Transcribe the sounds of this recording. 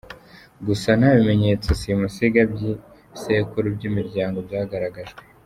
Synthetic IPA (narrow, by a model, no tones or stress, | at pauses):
ɡusan̥aβime̞ɲe̞ːt͡sosimusiɡabɟi | sekuɾubɟiːmiɾɟaːŋɡo̞bjaːɡaɾaɡaʒɡwe